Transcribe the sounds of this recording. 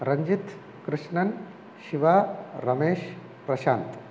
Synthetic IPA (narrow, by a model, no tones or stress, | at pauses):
ɾɐɲd͡ʒit̪ | kɾɨʂɳɐn | ʃiʋaːɾɐmeːʃ | pɾɐʃaːnt̪